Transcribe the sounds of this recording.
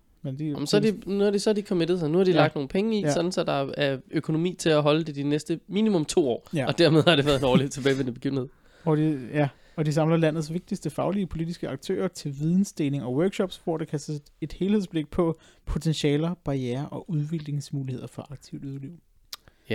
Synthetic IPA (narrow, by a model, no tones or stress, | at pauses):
mend̥imsɒdinuæd̥esɒd̥ikʰɒmed̥ð̩ˠsnuhɑ̈d̥ilɑ̈ɡ̚d̥no̝ːn̩pʰeŋəisɒ̽d̥n̩sɒd̥ɑ̈æɐøkʰo̝no̝mḭːt͡sʰe̝læɦɒ̽ləd̥e̝d̥inesd̥əmiːnimɔ̽mt͡sʰo̝̰ːɒ̰ːɒ̽d̥æɐme̝ð̞ˠhɑ̈ɾeʋæɐðˠenɒːlit͡sʰe̝bɛːɪʋenəbe̥ɡḭʊn̩he̝ðˠ | ʋɒd̥ijæ | ɒ̽d̥is̬ɑ̈mlɐlæn̰ð̩ˠsʋe̝ɡ̥̚d̥isd̥əfɑ̈ʊliəpʰo̝lid̥isɡ̥əɑ̈ɡ̥̚t͡sʰø̰ːɐt͡sʰe̝lʋiðˠn̩sd̥eːne̝ŋɒ̽wœɐɡ̥ɕɒ̽b̥sb̥oɐd̥ekʰæsɐ | e̝d̥he̝ːlhesb̥le̝ɡ̥̚pʰɒ̽ | pʰo̝t͡sʰenɕɛːlɐb̥ɑ̈jæːɐʔɒ̽ʔuð̞ˠʋeɡɡ̥le̝ŋsmuːlihe̝ð̞̰ˠɐfɒ̽ʔɑ̈ɡ̥̚t͡sʰiʊd̥uðˠliʊ̰